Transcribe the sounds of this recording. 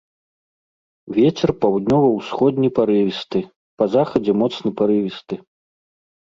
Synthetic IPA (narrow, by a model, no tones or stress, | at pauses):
vʲɛt͡sʲɛrpawd̪nʲɔvɐwsxɔd̪ʲnʲipaɾɨvʲist̪ɨ | pɐzaxɐd͡zʲɛmɔt̪snɐpaɾɨvʲist̪ɨ